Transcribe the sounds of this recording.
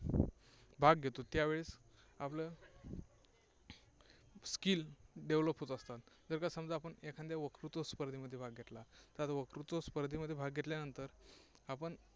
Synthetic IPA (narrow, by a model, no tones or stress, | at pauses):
bʱaɡɡʱet̪ot̪jaʋeɭis | aplə | skilɖeʋləpɦot̪əst̪at̪d͡zəɾkasəmd͡zaapəɳekʰãnd̪jaʋəkɾut̪əspəɾd̪ʱiməd̪ʱːjebʱaɡɡʱet̪lat̪at̪ʋəkɾut̪əspəɾd̪ʱiməd̪ʱːjebʱaɡɡʱet̪ljanənt̪əɾapəɳ